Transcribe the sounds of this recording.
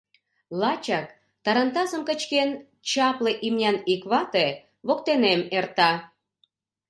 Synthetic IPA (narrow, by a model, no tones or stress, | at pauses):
lɑt͡ɕɑk̚ | t̪ɑɾɑnt̪ɑzəmkə̆t͡ɕken | t͡ɕɑpleʔimnʲɑnikβɑt̪e | βokt̪enemert̪ɑ